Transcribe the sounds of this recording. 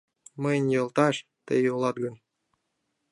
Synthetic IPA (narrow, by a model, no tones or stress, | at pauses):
məjnʲjɤ̆lˠt̪ɑʃ | t̪ḛjolˠɑt̪̚ɡə̆n